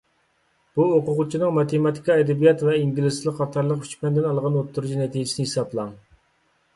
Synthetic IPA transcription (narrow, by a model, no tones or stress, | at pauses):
b̥uoqʊʁʊt͡ʃʰinɨŋmɑt̪ʰemɑt̪ʰi̥kɑɛd̪ɛbijɑt̪vɛiŋɡʲilɪslˠəqʰːɑt̪ʰɑɾlˠəqy̥t͡ʃmɛnd̪ɪnɑlˠʁɑnot̪ʰːuɾut͡ʃunɛt̪ʰid͡ʒɪsinɨhisɑplˠɑŋ